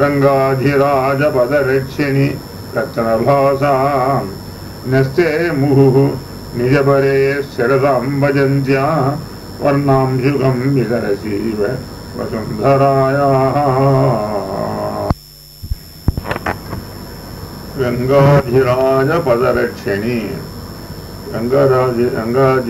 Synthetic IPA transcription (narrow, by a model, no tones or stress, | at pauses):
ɾɐŋɡaːd̪ʱiɾaːd͡ʒɐpɐd̪ɐɾɐʈʂʰini | ɾɐkʃɐnɐbʱaːsaː | nɐst̪eːmuɦuɦu | nid͡ʒɐbɐɾeːsɐɾɐt̪aːmbɐd͡ʒɐnt͡ʃjaː | pɐ̰ɾnaːmʃukɐmʋisɐɾɐsiːʋepɐ̰sund̪ʱɐɾaːjaːɦɐ | ɾɐŋɡaːd͡ʒʱiɾaːd͡ʒɐpɐd̪ɐɾɐʈʂʰɐni | ɾɐŋɡaɾaːd͡ʒiɾɐ̰ŋɡaːd͡ʒ